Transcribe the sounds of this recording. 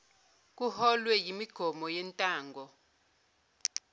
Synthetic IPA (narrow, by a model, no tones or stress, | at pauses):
k̬ʼuhɔlwɛjimiɡ̥ʱɔmɔjɛntʼaːŋɡʱɔ